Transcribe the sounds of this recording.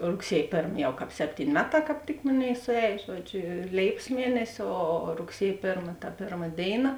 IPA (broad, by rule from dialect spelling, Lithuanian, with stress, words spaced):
rʊkˈsʲiɛj ˈpʲeːrm ˈjɛʊ ˈkɑːp ˈsʲæːpʲtʲiːnʲ ˈmʲæːˌtɑː kɑːp ˈtʲɪk ˈmoːˌnʲeːɪ sʊˈɛːj ˈʒuɔdʲˌʒʲoː ˈlʲeːɪpɐs ˈmʲiɛnʲɛsʲɪ ˈoː rʊkˈsʲiɛj ˈpʲeːrmɐ tɐ ˈpʲeːrmɐ ˈdʲeːɪˌnɐ